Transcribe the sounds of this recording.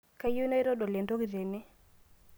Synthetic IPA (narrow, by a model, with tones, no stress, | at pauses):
ka˦ju˦na˦i˦ɾo˦ɗo˨le˨ndo˦ki˨ɾe˨ni˦